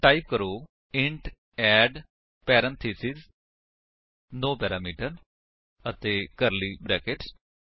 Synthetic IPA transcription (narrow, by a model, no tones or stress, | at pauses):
ʈaːip̚kəɾoː | ɪ̃ɳʈ | ɛːɖ | pɛːɾə̃nt̪ʰiːsiz | noːpɛːɾaːmiːʈəɾ | ət̪eːkəɾliːbɾɛːkɪʈ